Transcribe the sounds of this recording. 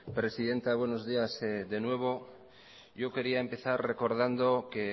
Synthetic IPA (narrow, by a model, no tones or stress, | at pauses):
pɾe̞siðe̞nt̪aβwe̞no̞zðiased̪e̞nwe̞β̞o̞ | ʝo̞ke̞ɾiaempe̞θarre̞koɾð̞and̪o̞ke